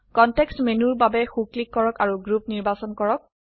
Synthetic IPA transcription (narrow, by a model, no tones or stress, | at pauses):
kɔntɛkstmenuɹbabɛxuklikːɔɹɔkaɹuɡɹupniɹbasɔnkɔɹɔk̚